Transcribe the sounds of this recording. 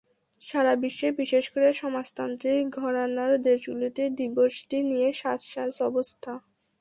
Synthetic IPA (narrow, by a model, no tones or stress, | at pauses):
ʃaɾabiʃːebiʃeʃkoɾeʃɔmast̪ant̪ɾiɡʱɔɾonaɾd̪eʃɡulot̪ed̪iboʃʈinijeʃat̪ʃasɔbost̪ʰa